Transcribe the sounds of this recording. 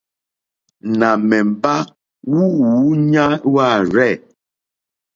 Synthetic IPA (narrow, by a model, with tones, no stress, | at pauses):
na˨mɛ˨m̩˨ba˦ | wu˦wu˨˦ɲa˦wa˦˨ɾɛ˦˨